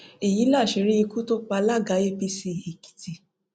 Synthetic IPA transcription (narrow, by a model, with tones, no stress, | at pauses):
e˨ji˨˦la˦˨ʃi˨˦ɾi˦i˧ku˦to˦k͡pa˧la˦ɡa˨˦e˦pi˧si˧˨hi˨ki̥˨ti˧